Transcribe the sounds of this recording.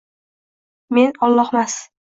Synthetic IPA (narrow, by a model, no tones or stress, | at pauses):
me̞nɒlˠːɒhmas